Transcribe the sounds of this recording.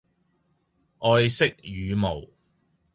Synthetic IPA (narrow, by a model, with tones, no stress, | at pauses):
ʔɔː˧jsɪ˥k̚jyː˨mo˨˩w